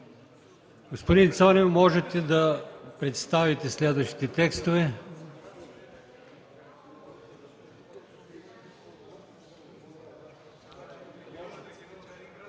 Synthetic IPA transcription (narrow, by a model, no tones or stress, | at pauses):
ɡ̥ospod̪int̪sanɛmɔʒɛt̪ɛd̪ɐpɾɛt̪st̪avit̪ɛslɛd̪vɐʃt̪i̥t̪ɛt̪ɛkst̪ovɛ